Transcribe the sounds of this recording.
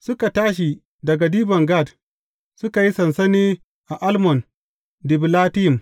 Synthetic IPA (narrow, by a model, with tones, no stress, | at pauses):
sʊ˦ka˨taː˦ʃ̬i˨ | dɐ˨ɡa˨diː˦bɐ˨ŋɡa˦˨d | sʊ˦ka˨ji˦sɐ˨nsɐ˦neː˦ | ʔa˨ʔa˦lmɔ˨n | dɪ˨blaː˦tɪ˦jɪ˨m